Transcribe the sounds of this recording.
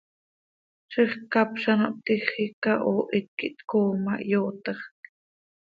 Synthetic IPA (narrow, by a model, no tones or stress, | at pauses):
ʃəχkɑpʃɑnɑʔt̪iχikɑʔoːʔit̪̚kiʔt̪koːmɑ̰ʔjoːt̪əχ